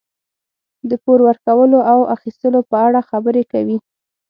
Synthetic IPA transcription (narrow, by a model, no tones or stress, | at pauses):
d̪əpoɾwəɾkawəloʔawʔaxist̪əlopəaɽaxabəɾekawi